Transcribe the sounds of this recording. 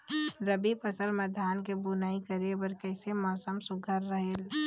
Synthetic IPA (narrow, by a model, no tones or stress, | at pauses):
ɾəbipəsəlməd̪ʱaːnkebunaːikəɾebəɾkɛːsemɔːsəmsʊɡʱəɾːəɦeːl